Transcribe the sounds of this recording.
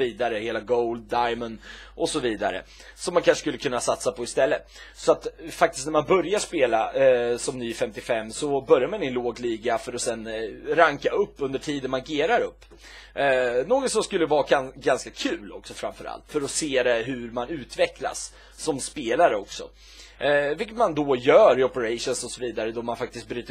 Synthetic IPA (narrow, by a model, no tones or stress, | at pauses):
iːd̪aɾəheːlaɡoʊld̪̚ːajmənʔɔsɔviːd̪a̰ɾə̰ | sɔmːankʰanʂə̥kɵlːəkʰɵnːasat̪sapʰɔɪst̪ɛlːət̪sɔat̪fakt̪ɪst̪næɾmanbœɾjaʂpeːla̰sɔmnyːfɛmt̪ɪfɛmːsɔbœɾjaɾmɛnɛnloːɡliːɡafœɾɔsɛnɾaŋkaɵpːɵnd̪əʈʰiːd̪ənmaɾɡeːɾaɾɵpː | noːɡɔt̪sɔmskɵlːəvɑːaɡanskakʰʉ̟ːlɔ̰ksɔfɾa̰mfœɾa̰lt̪fœɾɔseːd̪ɛɦɵɾmanʉ̟ːt̪vɛkla̰sː | ɔmspeːlaɾəɔksɔ̰ | vɪlkːət̪mand̪ɔjœːɾɪɔpəɾaɪʂʊnsɔsɔviːd̪aɾəd̪ɔmanfak̚t̪ɪst̪̚bɾyːt̪ə